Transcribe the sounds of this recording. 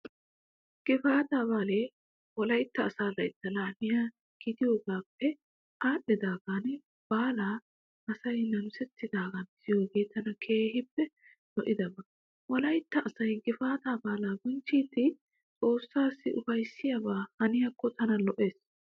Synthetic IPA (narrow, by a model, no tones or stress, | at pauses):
ɡ̥ɪfaːt̪aːbaːleː | wɔlɐjt̪ːɐːsaːlɐjt̪ːɐlaːnɪjaː | ɡ̥ɪt̪ɪjo̞ːɡaːpːɛ | ʔaːɗːɛd̪aːɡaːn | b̥aːlaː | ʔɐsɐjnɐmsɛt̪ːɪd̪aːɡɐnɪsɪjo̞ːɡe̞ːt̪ʰɐnɐkʰe̞ːhɪpːɛ | lɔʔɪd̪ɐbɐ | wɔlɐjt̪ːɐʔːsɐjɡɪfaːt̪aːbaːlaːɡʊnt͡ʃːiːt̪ːɪ | t͡sʼo̞ːsːaːsːɪʔʊfɐjsːɪjɐbaːhɐnɪjakːɔt̪ɐnɐlɔʔeːs